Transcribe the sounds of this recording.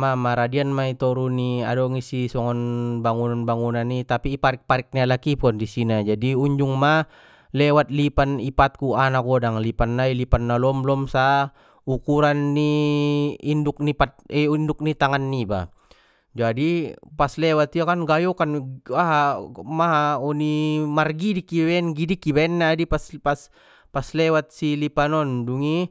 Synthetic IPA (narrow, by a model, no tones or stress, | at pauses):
mamaɾadianmait̪ɔɾuniadɔŋisisɔŋɔnbaŋunanbaŋunanːit̪apipaɾik̚paɾik̚nialakipuandisinad͡ʒadiuɲd͡ʒuŋma | lɛwat̪̚lipanipat̪̚kuanakɔdaŋlipanːailipanːalɔmlɔmsa | ukuɾanːi | induk̚nipat̪̚ɛinduk̚nit̪aŋanːiba̰ | d͡ʒadipaslɛwat̪iakanɡajɔkanaɦamaɦaɔnimarɡidikibɛɛnɡidikːibɛɛnːaːdipaspas | paslɛwat̪̚silipanɔnduŋi